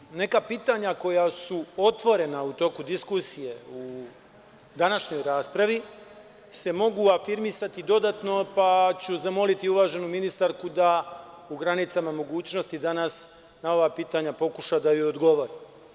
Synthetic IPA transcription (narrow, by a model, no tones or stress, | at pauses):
ne̞kapiːt̪aɲako̞jasuot̪ʋo̞ɾe̞naut̪o̞ːkud̪iskusije̞u | d̪anaʃɲo̞jɾaːspɾaʋi | se̞mo̞ɡuafiɾmisat̪id̪o̞d̪at̪no̞pat͡ɕuzamo̞lit̪iuʋaːʒe̞numinist̪aɾkud̪a | uɡɾanit̪samamo̞ɡuːt͡ɕno̞st̪id̪anas | nao̞ʋapiːt̪aɲapo̞kuʃad̪ajood̪ɡo̞ʋo̞ɾi